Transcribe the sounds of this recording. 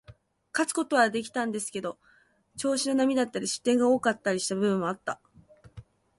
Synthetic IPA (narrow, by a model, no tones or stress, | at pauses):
kat͡sɨ̥ko̞t̪o̞βad̪e̞kʲi̥t̪ãnd̪e̞sɨ̥ke̞d̪o̞ | t͡ɕo̞ːɕino̞namʲid̪at̪ːaɾʲiɕɨ̥t̪ːẽ̞ŋɡao̞ːkat̪ːaɾʲiɕi̥t̪abɯ̟bɯ̟mːoat̪ːa